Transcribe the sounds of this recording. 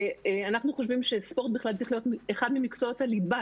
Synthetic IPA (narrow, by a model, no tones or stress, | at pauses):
eanaχnuχoʃvimʃespo̞t̪̚biχlalt͡sʁiχlijo̞t̪meχad̪mimikt͡soot̪alid̪ba